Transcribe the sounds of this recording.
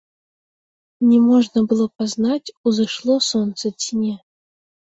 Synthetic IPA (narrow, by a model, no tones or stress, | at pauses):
nʲɪmoʐnəbɨlˠəpaznatʲuzɨʂlˠosont̪sətʲnʲe